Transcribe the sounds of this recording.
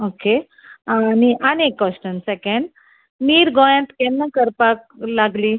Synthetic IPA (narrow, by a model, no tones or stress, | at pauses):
oke | aniʔanekːɔsʈənsɛkẽɳɖ | niːɾɡojə̃nt̪kɛnːəkəɾpaklaɡli